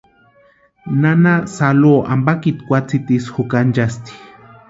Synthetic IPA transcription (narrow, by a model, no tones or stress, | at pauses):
nanasaloːʔa̰mbakit̪kʷat͡sit̪isxukand͡ʒast̪i̥